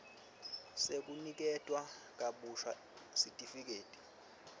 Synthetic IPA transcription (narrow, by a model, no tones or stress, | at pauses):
sek̬ʼunik̬ɛtʼwak̬ʼaɓuʃwa | sitʼifik̬ʼeːtʼi̥